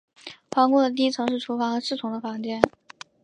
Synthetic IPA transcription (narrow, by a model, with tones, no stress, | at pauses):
fɑ˧˥ŋkʊ˥˩d̪ə˨˩t̪i˥t͡sʰɤ˧˥ŋʂɻ̩˥˩ʈ͡ʂʰu˧˥fɑ˧˥ŋə˧˥ʂɻ̩˥˩t͡sʰʊ˧˥ŋd̪ə˧fɑ˧˥ŋt͡ɕjɛ˥˩n